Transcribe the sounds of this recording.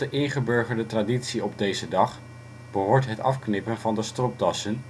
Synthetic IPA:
əʔɪŋχəbɵɹχəɹdətraditsiɔb̚dejzədɑχ | b̥əɦʊːɹtɦətɑ̰fknɪpənvɑndəstrɔp̚dɑsən

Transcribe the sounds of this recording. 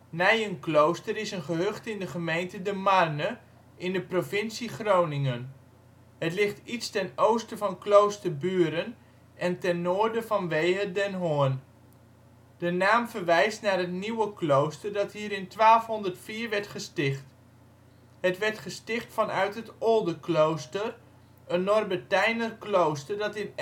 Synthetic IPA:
nɛjənklowstəɾɪsənχəɦøχtɪndəχəmejntədəmarnə | ʔɪndəprovɪnsiχrownɪŋən | hətlɪχtitstɛnowstəvɑnklowstərbyːɾən | ʔɛntɛnːoːɹdəvɑnʋejədɛnɦoən | d̥ənaːmfərʋɛjstnarɦətniwəklowstərdɑtɦiəɾɪntʋaːlˠfɦɔndərtfiːəɹʋɛɹtχəstɪχt | hətʋɛɹtχəstɪχtfɑnœɥtɦətolˠdəklowstər | ənːɔrbətɛjnərklowstərdɑtɪn

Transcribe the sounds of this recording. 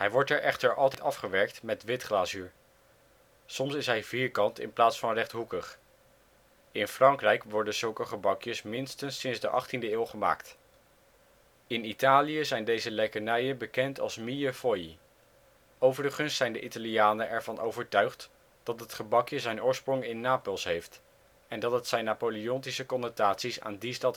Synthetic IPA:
ɦɛjʋɔɹtɛɹʔɛχtəɹʔɑlˠtɛjtɑfχəʋɛɹk̚tmɛtʋɪtχlaːsyːɹ | sɔmsɪsɦɛjviːɹkɑntɪ̰nplaːtsfɑnrɛχtɦukəχ | ɪnfrɑŋkrɛjkʋɔɹdənzɵlˠkəχəbɑkjəsmɪnstənsːɪnzdəʔɑ̰χtindəɪːlˠχəma̰ːkt | ɪnitaːlijəzɛjndejzəlɛkəɹnɛjənbəkɛntɑ̰lˠsmiəfoji | owvərəχənsːɛjndəʔitalijaːnəʔɛɹvɑnʔowvəɹtœɥχt | d̥ɑtɦətχəbɑkjəzɛjnʊːɹsprɔŋɪnːaːpolˠsɦejft | ɛndɑtətsɛjnːaːpoliɔntisəkɔnətaːtsisa̰ːndistɑt

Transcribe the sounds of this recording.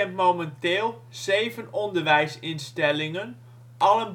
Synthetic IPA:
ɛntmowməntɪːlˠ | z̥eːvənɔndərʋɛjsɪnstɛlɪŋən | ʔɑlən

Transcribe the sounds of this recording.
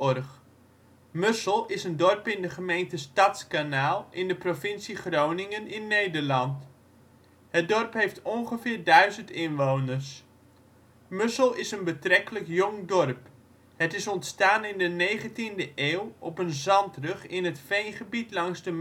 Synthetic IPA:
ɔrχ | møsəlˠɪsəndɔrpɪndəχəmejntəstɑtskanaːlˠɪndəprovɪnsiχrownɪŋənɪnːejdəɹlɑnt | hət̚dɔrpɦejftʰɔnχəvɪːɹdœɥzəntɪnʋownərs | møsəlˠɪsənbətrɛkələkjʊŋdɔrp | hətɪsɔntstaːnɪndənejχəntindəʔeːwɔpənzɑntrəχɪnɦətfejnχəbitlɑŋzdəm

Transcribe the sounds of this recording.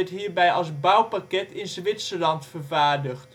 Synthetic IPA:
ɛtɦiːɹbɛjɑ̰lˠsbawpakɛtɪnzʋɪtsəlɑntfərvaːɹdəχt

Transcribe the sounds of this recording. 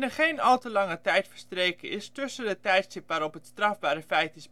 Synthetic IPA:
nəχejnɑlˠtəlɑŋətɛjtfərstreːkəɪstɵsədətɛjtstɪpʋaːɾɔpɦətstrɑvbaːɾəfɛjtɪs

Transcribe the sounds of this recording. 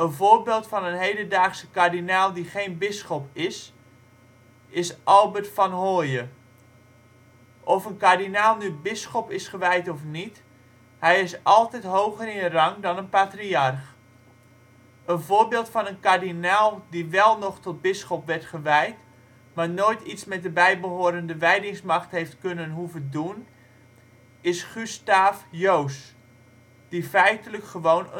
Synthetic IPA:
ənvoːɹbeːlˠtfɑnənɦejdəndaːχsə̥kardinalˠdiχeːnbɪsχɔpɪs | ɪsʔɑlˠbətfɑnhoːjə | ʔɔfənkardinaːlˠnybɪsχɔpɪsχəʋɛjtɔfnit | hɛjɪsʔɑlˠtɛtɦowχərɪnərɑŋdɔnənpatriarχ | ənvoːbɪːlˠtfɑnənkardinalˠdiʋɛlˠnɔχtɔt̚bɪsχɔpʋɛrtχəʋɛjt | maːɹnoːjtitsmɛt̚dəbɛjbəɦoːɾəndəʋɛjdɪŋsmɑχtɦejftkɵnənɦuvədun | ɪsχystaːfjows | d̥ifɛjtələkχəʋownə

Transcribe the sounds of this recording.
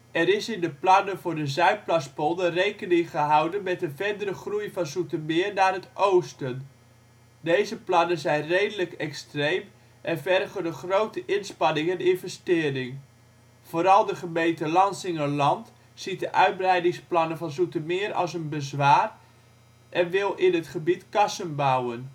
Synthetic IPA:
ɛɾɪsɪndəplɑnəvʊːrdəzœɥk̚plaspolˠdərejkənɪŋχəɦɑwdənmɛtənvɛrdəɾəχrujfɑnzutəmɪːrnaːrɦətʔowstən | dejzəplɑnənzɛjnrejdələkɛkstrejm | ʔɛnfɛrχəndəχrowtəʔɪnspɑnɪŋəndɪnvɛstɪːrɪŋ | v̥oːɾɑlˠdəχəmejtəlɑnsɪŋəlɑnt | sit̚dəʔœɥd̚brɛjdɪŋsplɑnəvɑnzutəmɪəɾɑ̰lˠsənbəzʋaːr | ʔɛnʋɪlˠɪnətχəbitkɑsənbawən

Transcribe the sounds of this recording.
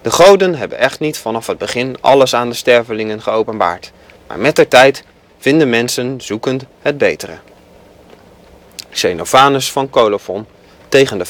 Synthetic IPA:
d̥əχowdənɦɛbə̰nɛχtnitfɑnɑfɦəd̚bəχɪnɑ̰ləsaːndəstɛɹvəlɪŋənχəowpənba̰ːɹt | ma̰ːɹmɛt̚dəɹtɛjt | v̥ɪndənmɛnsənzukəntɦəd̚bejtərə̰ | sejnofaːnəsfɑnkowlofɔn | tejχəndə

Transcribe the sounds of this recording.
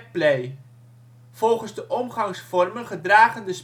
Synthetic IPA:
plej | v̥ɔlˠχənzdəʔɔmχɑŋsfɔrmənχədraːχəndəs

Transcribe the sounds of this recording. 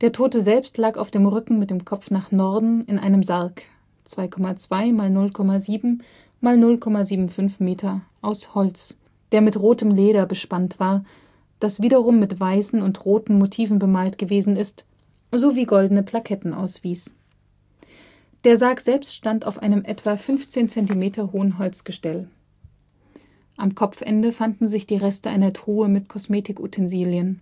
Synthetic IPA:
d̥eːɐtʰoːtəzɛlpstlaːkaʊfd̥eːmʁʏkŋ̩mɪt̚d̥eːmkʰɔp͡fnaːχnɔɐdn̩ɪnʔaɪnəmzaɐk | t͡sv̥aɪkʰɔmat͡sv̥aɪmaːlnʊlkʰɔmaziːbm̩ | maːlnʊlkʰɔmaziːbm̩fʏnfmeːtʰɐʔaʊshɔlt͡s | d̥eːɐmɪtʁoːtəmleːɾɐbəʃpantv̥aːɐ | d̥asv̥iːɾɐʁ̞ʊmːɪtv̥aɪsn̩ʊntʁoːtn̩motʰiːvn̩bəmaːltɡ̥əveːzn̩ɪst | z̥oːviːɡɔldn̩əpʰl̥akʰɛtn̩ʔa̰ʊsv̥iːs | d̥eːɐzaːkz̥ɛlpstʃtanta̰ʊfʔa̰ɪnəmʔɛtv̥afʏnft͡seːnt͡sɛntimeːtʰɐɦoːənɦɔlt͡sɡ̥əʃtɛl | ʔamkʰɔpp͡fʔɛ̰ndəfandn̩zɪçd̥iːʁɛstəʔaɪnɐtʁ̥uːəmɪtkʰɔsmeːtɪkṵtʰɛnziːljən

